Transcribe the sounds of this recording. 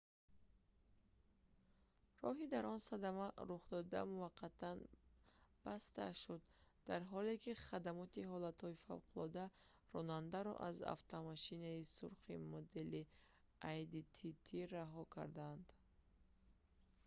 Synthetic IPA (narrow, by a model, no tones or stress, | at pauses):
rɔɦid̪aɾɔnsad̪amaɾuχd̪ɔd̪a̰muvaqʰːat̪ʰan | b̥ast̪a̰ʃud̪d̪aɾɦɔle̞kʰiχad̪amɔt̪iɦɔlat̪hɔifa̰vqʰulɔd̪a | rɔnand̪aɾɔ̰ʔa̰za̰ft̪ʰɔmaʃinaisuɾqḭmɔd̪e̞li | ʔajd̪it̪ʰit̪ʰiɾaɦɔkʰa̰ɾd̪and̪